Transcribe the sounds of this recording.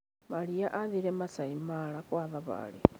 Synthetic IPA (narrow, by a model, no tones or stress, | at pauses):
maliaʔaðiɾɛmasaimalakwaðaβa̰li